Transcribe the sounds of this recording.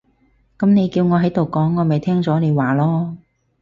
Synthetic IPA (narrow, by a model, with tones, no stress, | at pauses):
kɐ˨˥mne˨˧jkiː˧wŋɔː˨˧ɦɐ˨˥jt̪o˨˩wkɔː˨˥ŋːɔː˨˧mɐ˨˩jt̪ʰɛː˥ŋt͡sɔː˨˥ne˨˧jwaː˨lɔː˥